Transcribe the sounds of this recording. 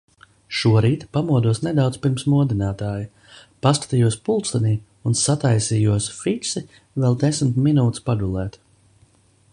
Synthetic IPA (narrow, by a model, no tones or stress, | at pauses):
ʃuɔɾiːt̪pamuɔd̪uɔsned̪awd̪spiɾmsmuɔd̪inaːt̪aːji | paskḁt̪ijuɔspulˠt̪st̪aniː | unsat̪ajsiːjuɔsfit͡ʃsi | vɛlˠd̪esm̩t̪minuːt̪spaɡulˠɛːt̪